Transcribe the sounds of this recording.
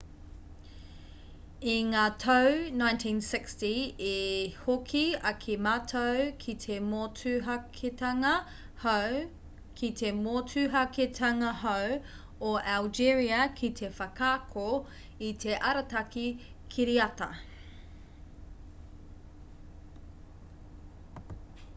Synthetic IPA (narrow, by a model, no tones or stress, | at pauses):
iŋaːtʰownãjntʰĩːnsɪkstiehokʰiɐkʰimaːtʰowkʰit̪ʰemoːtʰʉɦɐkʰetɐŋɐ | h | kʰit̪ʰemoːtʰʉɦɐketʰɐŋɐɦow | oʔald͡ʒiɹiɐkʰit̪ʰe̞fɐkʰaːkʰo | it̪ʰe̞ʔɐɾɐtɐkikʰiɾiɐtɐ̰